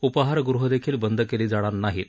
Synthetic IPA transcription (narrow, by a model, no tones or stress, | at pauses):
upəɦaɾɡuɾuɦəd̪ekʰiːlbənd̪ʱəkeliːd͡zaɽ̃aɾnaɦiːn